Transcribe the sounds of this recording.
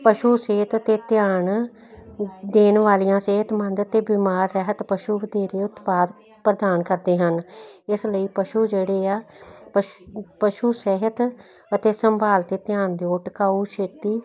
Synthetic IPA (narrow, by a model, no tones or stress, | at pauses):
pəʃuːseːt̪ət̪eːt̪ɪjaːɳ | d̪eːnʋaːlijãːseːɦət̪mə̃nd̪ət̪eːbiːmaːɾːɛɦət̪pəʃuːʋəd̪eːɾeːʊt̪paːd̪ | pɾəd̪aːnkəɾd̪eːɦənɪsləiːpəʃuːd͡ʒeːɽeːaːpəpəʃuːseɦət̪ | ət̪eːsəmbaːlt̪eːt̪ɪjaːɳd̪eːoːʈəkaːuːʃʰeːt̪iː